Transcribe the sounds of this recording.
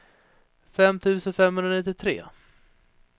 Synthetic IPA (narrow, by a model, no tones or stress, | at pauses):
fɛmt̪ʰʉ̟ːsənfɛmːhɵnɾanɪt̪ːɪt̪ʰɾḛː